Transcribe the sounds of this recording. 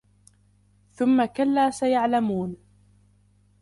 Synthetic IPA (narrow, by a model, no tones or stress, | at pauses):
θʊmːakalːaːsajaʕlamuːn